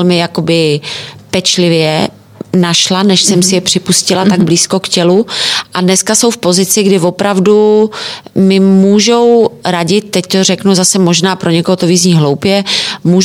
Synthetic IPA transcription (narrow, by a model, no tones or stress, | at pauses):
lmɪjako̞bɪpɛt͡ʃlɪvjɛ | naʃlanɛʃsɛmsɪjɛpr̝̥ɪpuscɪlat̪aɡbliːsko̞kcɛluʔadnɛskaso̞wfpo̞zɪt͡sɪɡdɪvo̞pɾavdu | mɪmuːʒowɾaɟɪt̪̚t̪ɛct̪orɛknuzasɛmo̞ʒnaːpɾʔo̞ɲɛkoɦot̪oviːzɲiːɦlo̞wpjɛmuːʒ